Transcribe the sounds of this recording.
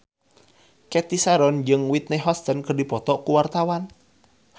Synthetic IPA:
kɛt̪isaɾɔnd͡ʒɨŋwit̪̚neɦɔst̪ənkərdipɔt̪ɔʔkuwart̪awan

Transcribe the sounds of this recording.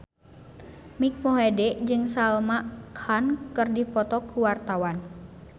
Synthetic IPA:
mik̚moɦedɛʔd͡ʒɨŋsalmaʔkʰankɨrdipɔt̪ɔkuwart̪awan

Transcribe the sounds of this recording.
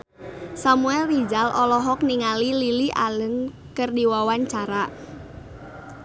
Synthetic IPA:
samuɛlːid͡ʒalʔɔlɔɦɔk̚niŋalililiʔa̰lən | kərdiwawaɲt͡ʃaɾa

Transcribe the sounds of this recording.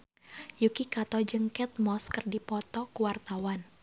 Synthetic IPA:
jukikat̪ɔd͡ʒəŋkɛt̪̚mɔskɨrdipɔt̪ɔkuwart̪awan

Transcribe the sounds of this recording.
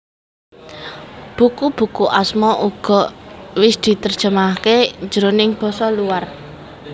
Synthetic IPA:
b̥ukub̥ṳkuʔasmɔʔuɡ̥ɔ̤wɪsd̪̥i̤t̪ərd̥ʒ̥ə̤maked͡ʒəɾonɪŋb̥ɔ̤sɔluwar

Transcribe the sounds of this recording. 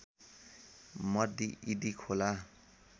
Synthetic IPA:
mʌd̪iʔid̪ikʰola

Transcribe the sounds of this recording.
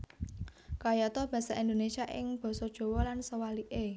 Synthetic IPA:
kajɔt̪ɔb̥ä̤saʔind̪onesiaʔɪ̰ŋb̥ɔ̤sɔd̥ʒ̥o̤wɔlansəwaliʔe

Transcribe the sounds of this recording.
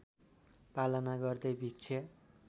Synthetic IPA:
palʌnaɡʌrd̪ʌjbʱik̚t͡sʰʌ

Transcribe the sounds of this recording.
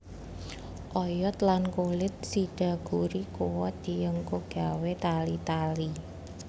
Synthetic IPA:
ʔɔjɔt̪lankolɪt̪̚siɖ̥a̤ɡ̥uɾikowɔd̪̥i̤jəŋkoɡ̥a̤wet̪alit̪ali

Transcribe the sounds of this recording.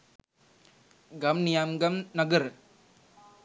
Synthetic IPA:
ɡɐmnijamɡɐmnɐɡəɾ

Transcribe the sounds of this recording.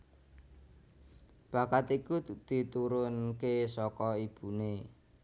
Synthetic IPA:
b̥ä̤kat̪ikud̪̥i̤t̪uɾʊnkesɔkɔib̥ṳne

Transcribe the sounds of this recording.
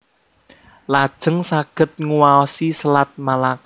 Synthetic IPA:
lad̥ʒ̥ə̤ŋsaɡ̥ə̤t̪̚ŋuwaɔsisəlat̪̚malak

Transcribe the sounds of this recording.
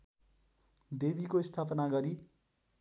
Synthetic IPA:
d̪ebikoist̪ʰapʌnaɡʌɾi

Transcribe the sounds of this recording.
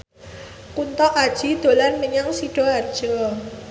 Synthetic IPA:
kunt̪ɔʔad̥ʒ̥i̤d̪̥o̤lanməɲaŋsiɖ̥ɔard̥ʒ̥ɔ

